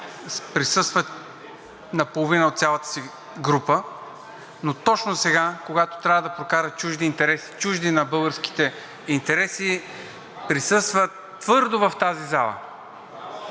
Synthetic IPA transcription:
pɾisɤst̪və | nɐpolˠovinəot̪t̪sʲalˠət̪ə̥si | ɡɾupə | not̪ɔt͡ʃnosɛɡakoɡat̪o̥t̪ɾʲavəd̪ɐpɾokaɾət͡ʃuʒd̪iːnt̪ɛɾɛsi̥t͡ʃuʒd̪inɐbɤlˠɡəɾski̥t̪ɛ | int̪ɛɾɛsi | pɾisɤst̪vət | t̪ːvɤɾd̪ovɐft̪azizalˠə̰

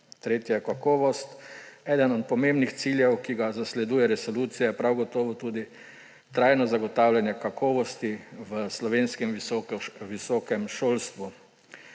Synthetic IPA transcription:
t̪ɾeːt̪jɛkakɔːʋɔst̪ɛːd̪ənɔt̪̚pɔmembnixt̪siljɛwkiɡazaslɛd̪uːjɛɾɛsɔluːt̪sijɛɛpɾawɡɔt̪ɔːʋɔt̪uːd̪i | t̪ɾajnɔzaɡɔt̪aːwljanjɛkakʰɔːʋɔst̪iʋəslɔʋeːnskɛm | ʋisɔːkɛmʃoːlst̪ʋu

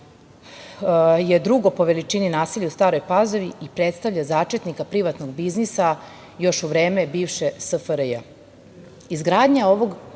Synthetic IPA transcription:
je̞d̪ɾuɡo̞po̞ʋe̞lit͡ʃininaːsiʎiust̪aːɾo̞jpazo̞ʋiipɾet̪st̪aʋʎazaːt͡ʃet̪nikapɾiʋat̪noɡbiznisa | jo̞ʃuʋɾeːme̞biːʋʃesəfɾja̰ | izɡɾaːd̪ɲao̞ʋo̞ɡ

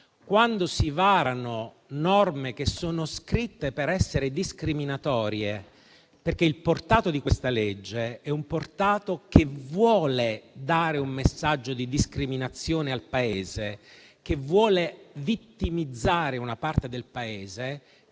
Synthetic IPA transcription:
kwand̪osivaːɾano | nɔrmek̟esːoːnoskɾit̪ːepeɾɛsːeɾed̪iskɾiminat̪ɔːɾje | perk̟eilport̪aːt̪od̪ikwest̪aled͡ʒːeɛumport̪aːt̪ok̟evwɔːled̪aːɾeumːesːad͡ʒːod̪id̪iskɾiminat̪sːjoːnealpaeːze | k̟evwɔːlevit̪ːimid̪zːaːɾeunapart̪ed̪elpaeːze

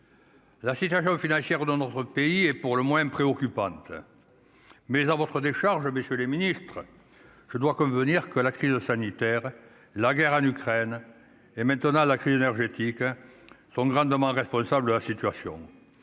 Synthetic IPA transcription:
lasit̪yas̬jɔ̃finɑ̃sjɛʁd̪ɑ̃nɔt̪χəpeiɛpuʁləmwɛ̃pχeɔkypɑ̃nt̪ə | mɛzavɔt̪χəd̪eʃaʁʒəməsjøleminist̪χə | ʒ̥əd̪wakɔ̃vəniʁkəlakχizəsanit̪ɛʁ | laɡɛʁɑ̃nykχɛn | emɛ̃nt̪ənɑ̃lakχizenɛʁʒet̪iksɔ̃ŋɡʁɑ̃d̪əmɑ̃ʁɛspɔ̃sabləd̪əlasit̪yasjɔ̰̃

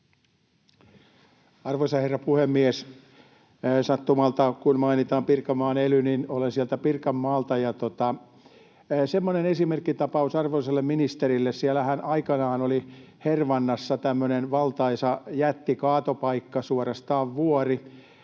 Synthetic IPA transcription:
ɑrʋoisɑherːɑpuhemːies | sɑt̪ːumɑlt̪ɑkunmɑinit̪ɑːmpirkɑmːɑːnelyninolensiɛlt̪æpirkɑmːɑːlt̪ɑjɑt̪ot̪ɑ | semːonenesimerkːit̪ɑpɑusɑrʋoliselːemminist̪erilːessiælæhænʔɑikɑnɑːnoli | herʋɑnːɑsːɑt̪æmːønenʋɑlt̪ɑisɑjæt̪ːikɑːt̪opɑikːɑsuorɑst̪ɑːʋʋuori

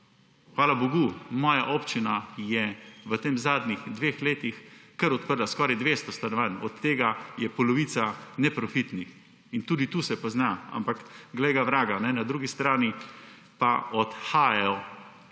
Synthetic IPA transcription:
xʋaːlaboɡumɔːjaʔoːpt͡ʃinajɛʋət̪eːmzaːd̪nixd̪ʋeːxleːt̪ixkəɾɔt̪̚pəɾlaskɔːɾɛjd̪ʋeːst̪ɔst̪anɔʋanɔt̪ːeːɡajɛpɔlɔʋiːt̪sanɛpɾɔfit̪nix | int̪uːd̪it̪uːsɛpɔznaa̰mpakɡlɛjɡaʋɾaːɡanɛnad̪ɾuːɡist̪ɾaːni | paɔt̪xaːjɛɔ

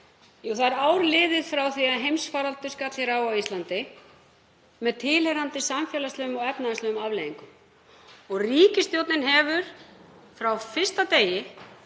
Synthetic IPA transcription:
uθaðɛɾaːwɾlɪːðɪðfɾawθiaðɦejmsfaːɾalt̪ʏskat̪l̥ɪɾawawislant̪ɪ | mɛðt̪ʰɪːlhɛɾant̪ɪsamfjɛlast̪œːʏmɔɣɛpnaðɪslœʏmavleːðiŋkʏm | ɔɣriːcɪst̪jowt̪nɪnɦɛːvʏɾ̥ | fɾawfɪ̥st̪at̪eːjɪ

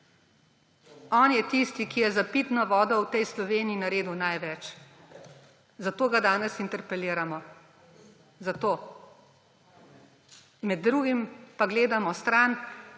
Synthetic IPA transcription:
ɔːnjɛt̪ist̪ikijɛzapiːt̪nɔʋɔːd̪ɔwt̪ɛjslɔʋeːniːnaɾeːd̪unajʋɛt͡ʃ | zat̪oːɡad̪aːnɛsint̪ɛɾpɛliːɾamɔ | zat̪oː | mɛd̪ːɾuːɡimpaɡleːd̪amɔst̪ɾan

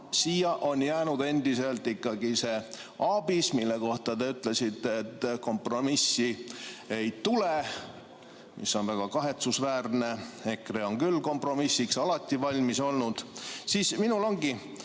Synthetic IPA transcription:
siːjɑʔo̞njæːnud̪e̞nd̪̥ise̞lt̪ːˑikːɑɡise̞ | ɑb̥ismilːe̞ko̞ht̪ɑt̪eyt̪ˑle̞sit̪ːˑet̪ːko̞mpro̞misːie̞jt̪ule | mḭsːo̞nvæɡ̥ɑkɑɦe̞t̪susvæːrne̞e̞kreo̞ŋkylːko̞mpro̞misːiksɑlɑt̪ʲːˑivɑlʲmiso̞lnud̪̥siːsminulo̞ŋɡi

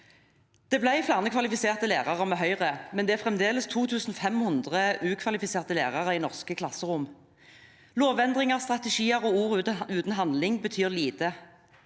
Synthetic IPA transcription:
d̪̥ɛːblæɪflæːʁnəkʰʋɑlɪfɪseːʁt̪əleːʁɑʁəmɛːɦœʏʁəmɛnd̪ɛːæʁfʁɛmd̪eːləst̪ʰuːt̪ʰʉːsn̩fɛmhʊnd̪ʁəʉːkʰʋɑlɪfɪseːʁt̪əleːʁɑʁəiːnɔʁskəkʰlɑsəʁʊm | loːʋɛnd̪ʁɪŋəʁst̪ʁɑt̪ɛʃiːəʁoːuːʁʉːt̪n̩ɦɑnd̪lɪŋbət̪ʰyːʁliːt̪ə

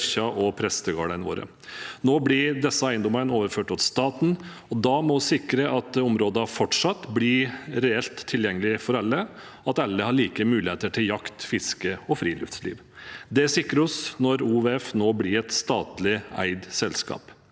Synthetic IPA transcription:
çɑʔɔpʰɾɛsəɡɑ̰ːɽəno̰ːɾə̰ | noːblɪɾd̪ɛsːəæɪənd̪ɔmənoːʋəɾføːʈɔt̪st̪ɑːt̪n̩ | ɔd̪ɑmɔsɪkɾəʔɑt̪ɔmɾoːd̪ɑfɔʈʂɑt̪ːblɪɾɛɛlt̪ʰːɪljɛŋːəlɪfɔɾɑlːə | ɑt̪ɑlːəhɑɭiːkəmʉːlɪheːt̪əʈʰɪljɑkt̪fɪskəɔfɾiːlʏ̰ft̪slḭːʋ | d̪ɛæsɪkːɾəɔsnɔɾuːʋeɛfnoːblɪɾɛt̪st̪ɑːt̪lɪæ̰ɪd̪sɛlskɑ̰ːp

